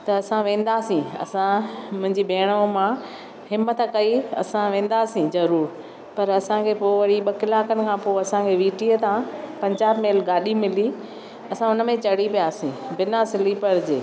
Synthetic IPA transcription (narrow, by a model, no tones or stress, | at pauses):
t̪ɐɐsãʋẽːn̆d̪aːsĩɐ̰sãmʊ̃ɦɪ̃ɲd͡ʑibeːɽ̃əmã | hɪmət̪kɐiɐ̰sãʋẽːn̆d̪aːsĩzɐɾuːɾ | pɐɾɐsãkʰepoːʋɐɽiɓɐkɪlaːkənɪ̆kʰãpoːɐsãkʰeʋiːʈiət̪ʰãpɐ̃ɲd͡ʑaːbmeːlɡaːɗimɪli | ɐsãʊnəmẽt͡ɕɐɽ̤ipijaːsĩbɪnasɪlipɐɽɪd͡ʑeː